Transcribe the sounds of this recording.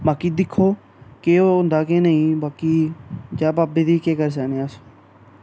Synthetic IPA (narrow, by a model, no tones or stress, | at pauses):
baːkiːd̪ɪkʰːoː | keoʊnd̪aːkenəĩːbaːkiːd͡ʒaːbaːbeːd̪iːkeːkəɾs̬aːnẽːəs